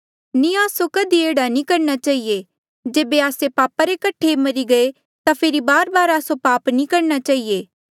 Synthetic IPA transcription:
nĩaːsokɐd̪ieːɽanĩkɐɾnat͡ʃaːɦie | d͡ʒeːbeaːsepaːpaɾekɐʈʰːemɐɾiɡɐe | t̪apʰeɾibaːɾbaːɾaːsopaːpnĩkɐɾnat͡ʃaːɦieː

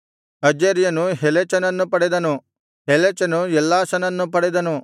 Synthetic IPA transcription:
ɐd͡ʒeɾjɐnuɦelet͡ʃɐnɐnːupɐɽed̪ɐnu | ɦelet͡ʃɐnuɛlːaːsɐnɐnːupɐɽed̪ɐnu

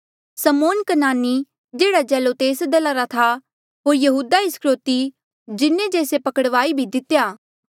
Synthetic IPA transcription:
səmoːnkənaːnːi | d͡ʒeːɽad͡ʒɛːlot̪eːsd̪ɐlaɾat̪ʰa | ɦoːɾjɐɦuːd̪aɪskɾoːt̪i | d͡ʒɪnːẽd͡ʒeːsepɐkəɽʋaːibʱid̪ɪt̪jaː

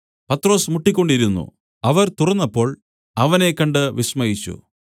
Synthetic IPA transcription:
pɐt̪ro̞ːsmuʈːikʲːo̞ɳɖiɾunːṵ | ɐʋɐɾt̪urɐnːɐpːo̞ːɭ | ɐʋɐne̞kːɐɳɖɨʋismɐjit͡ɕːṵ

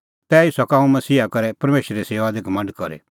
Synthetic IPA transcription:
t̪ɛːɪsɔkãːũmɐsiːakɐɾɛpɐɾmeːʃɾːeseːʋad̪eɡʱɐmə̃ɳɖkɔɾḛ

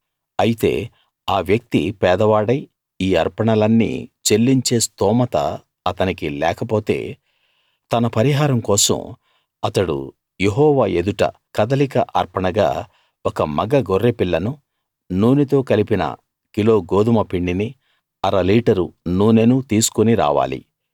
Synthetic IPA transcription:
ɐjit̪e̞̰ː | aːʋjɐk̚t̪ḭpɛːd̪ɐʋaːɽɐj | iːɐɾpɐɳɐlɐnːḭːt͡ʃelːiɲt͡ʃe̞ːst̪ɔːmɐt̪ɐ̰ | ɐt̪ɐnikilɛːkɐpoːt̪e̞̰ː | t̪ɐnɐpɐɾiɦaːɾɐmkɔːsɐ̰m | ɐt̪ɐɽṵ | je̞ɦɔːʋaːe̞d̪uʈɐ̰kɐd̪ɐlikɐʔɐɾpɐɳɐɡa̰ː | ɔkɐmɐɡɐɡoɾːepiɭːɐnu | nuːnit̪o̞ːkɐlipinɐ̰ | kilo̞ːɡoːd̪umɐpiɳɖini | ɐɾɐliːʈɐɾṵnuːnenut̪iːsu̥koniɾa̰ːʋa̰ːlḭ

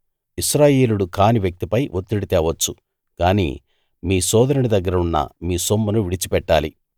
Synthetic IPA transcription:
iʃɾaːje̞ːluɽukaːniʋjɐk̚t̪ipɐjʔot̪ːiɽit̪ɛːʋɐt͡ʃːu | kaːnḭː | miːsɔːd̪ɐɾuɽid̪ɐɡːɐɾɐunːɐ̰miːsomːunuʋiɽit͡ʃipɛʈːaːlḭ

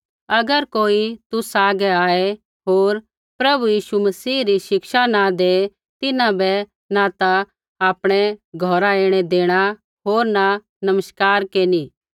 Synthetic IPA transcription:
ɐɡəɾkoːit̪usaːɡɛaːe | ɦoːɾ | pɾɐbujiːʃumɐsiːɾiʃɪkʃanad̪eː | t̪ɪnãbɛ | nat̪a | aːpɽ̃ɛɡʱɔːɾaeːɽ̃ɛd̪eːɽ̃a | ɦoːɾna | nɐməskaːɾkeːni

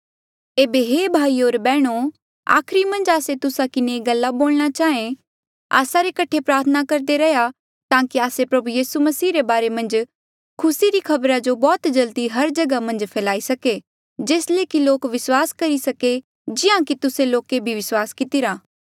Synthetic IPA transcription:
eːbeɦebʱaːioːɾbɛːɽ̃o | a̰ːkʰɾimɐ̃nd͡ʒaːset̪ʊsakɪneɡɐlːaboːlñat͡ʃaːẽ | a̰ːsaɾekɐʈʰepɾaːɾt̪ʰənakɐɾd̪eɾɐɦja | t̪ãːkiaːsepɾɐbujiːsumɐsiːɾebaːɾemɐ̃nd͡ʒ | kʰʊsiɾikʰɐbɾad͡ʒobɔːt̪d͡ʒɐld̪iɦɐɾd͡ʒɐɡamɐ̃nd͡ʒpʰɛːlaːisɐke | d͡ʒeːsleːkiloːkʋɪswaːskɐɾisɐke | d͡ʒɪjãkit̪ʊseloːkebʱiʋɪswaːskɪt̪iɾaː

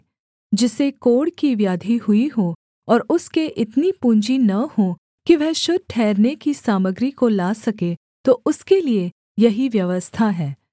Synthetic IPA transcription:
d͡ʒɪsekoːɽkiʋjaːd̪ʱiɦʊiɦoː | ɔːɾʊskeʔɪt̪nipũːɲd͡ʒinɐhõː | kiʋɛɦʃʊd̪̚ʈʰɛːɾnekisaːməɡɾikolaːsɐke | t̪oʊskelie | jɐɦiʋjɐʋəst̪ʰaɦɛː

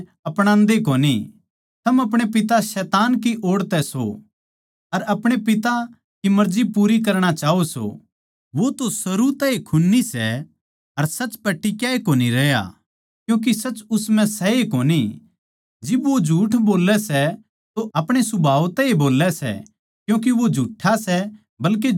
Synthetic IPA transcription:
ɐpɽ̃ãːnd̪ekoːni | t̪ʰɐmɐp̬ɽ̃epɪt̪asɛːt̪aːnkiʔoːɽt̪ɛso̰ | ɐɾɐpɽ̃epɪt̪a | kimɐɾd͡ʒipuːɾik̬ɐɾɽ̃at͡ʃaːoso̰ | ʋot̪osɐɾut̪ɛekʰʊnːisɛ | ɐɾsɐt͡ʃpɐʈːikjaekoːniɾɛːja̰ | kjũːk̬isɐt͡ʃːʊsmɛ̃sɛekoːni | d͡ʒɪbʋod͡ʒʱuːʈʰboːlɛsɛ | t̪oʔɐpɽ̃esʊbʱaːʋt̪ɛeboːlːɛsɛ̰ | kjũːk̬iʋod͡ʒʱuːʈʰːasɛ | bɐlk̬e

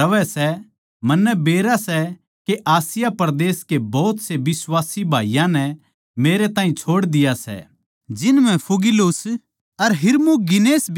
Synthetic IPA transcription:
ɐʋɛsɛ | mɐnːɛbeːɾasɛ | keʔaːsɪjapɐɾd̪eːskebɔːt̪sebɪswaːsibʱaːijãnɛ | meːɾet̪ãːɦĩt͡ʃʰoːɽd̪ɪjasɛ̰ | d͡ʒɪnmɛ̃pʰuɡɪloːs | ɐɾɦɪɾmuɡɪneːsb

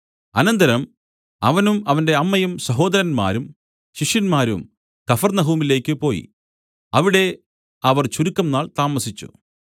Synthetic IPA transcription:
ɐnɐnd̪ɐɾɐm | ɐ̰ʋɐnumɐʋɐnde̞ɐmːɐjumsɐɦo̞ːd̪ɐɾɐnma̰ːɾum | ɕiʂjɐnmaːɾṵm | kɐfɐrnɐɦuːmile̞ːkʲːɨpo̞ːjḭ | ɐʋiɽe̞ | ɐʋɐrt͡ɕuɾukːɐmnaːɭt̪aːmɐsit͡ɕːṵ

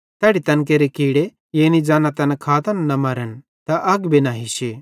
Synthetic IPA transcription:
t̪ɛːɽit̪ɐnk̬eɾekiːɽe | jeːnid͡ʒaːnat̪ɐnakʰaːt̪ɐnːɐmɐɾən | t̪ɐʔɐɡbinaːɦiʃi

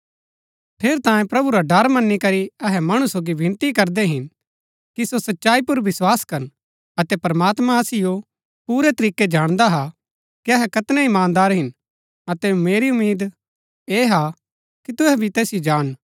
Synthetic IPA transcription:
pʰeːɾt̪ãːjẽpɾɐbuɾaɖɐɾmɐnːikɐɾiɐɦɛmɐɽ̃usoːɡibʱɪ̃nt̪ikɐɾd̪ɛɦɪn | kisosɐtːʃaːipʊɾʋɪswaːskɐɾn | ɐt̪ɛpɐɾmaːt̪mãɐsɪjo | puːɾɛt̪ɐɾiːkːed͡ʒaːɽ̃d̪aɦa | kiɐɦɛkɐt̪nɛɪmãːnd̪aːɾɦɪn | ɐt̪ɛʊmeːɾiʊmːeːd̪ | eːɦa | kit̪ʊɦɛbʱit̪ɛːsijod͡ʒaːn

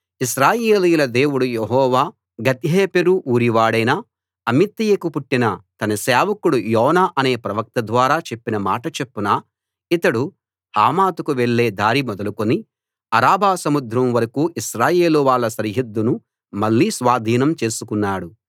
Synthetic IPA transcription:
iʃɾaːjeeːlijulɐd̪e̞ːwuɽujeɦɔːʋaː | ɡɐt̪iɦeːpeɾuʔuːɾiʋaːɽɐjna | ɐmit̪ːijɐkupuʈːinɐt̪ɐnɐseːʋɐkuɽujɔːnaːʔɐne̞ːpɾɐʋɐk̚t̪ɐd̪ʋaːɾaːt͡ʃe̞pːinɐmaːʈɐt͡ʃe̞pːunaː | it̪ɐɽu | aːmaːt̪ukuʋeɭːe̞ːd̪ʱaːɾimɔd̪ɐlukoni | ɐɾaːbaːsɐmud̪ʱɾɐmʋɐɾɐkuːʔiʃɾaːje̞ːluʋaːɭːɐsɐɾiɦid̪ːunu | mɐɭːiːsʋaːd̪ʱiːnɐmt͡ʃe̞ːsukunːaːɽu

